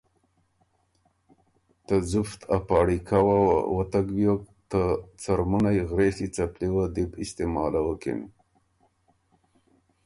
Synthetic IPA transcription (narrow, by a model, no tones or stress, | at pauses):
t̪əzʊft̪ʰapɑɽikʰawaw̰wət̪aɡbjokt̪ət͡saɾmunajɣɾesit͡sapliwəd̪ibɪst̪emɑːlawəkḭn